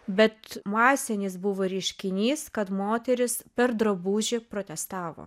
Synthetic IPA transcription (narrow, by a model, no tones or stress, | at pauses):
bʲɛt̪mɑːsʲɛnʲɪsbʊʋoːɾʲɛɪʃʲkʲɪnʲiːskɐt̪moːt̪ʲɛɾʲɪspʲɛɾd̪ɾɐbuːʒʲɪpɾoːt̪ʲɛst̪ɑːʋo̰ː